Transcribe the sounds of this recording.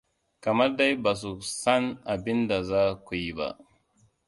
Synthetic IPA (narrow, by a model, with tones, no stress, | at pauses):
ka˨ma˦ɾda˦jba˨s̬u˨sa˦nʔa˨bi˦nda˨za˦kʷu˨ji˨ba̰˦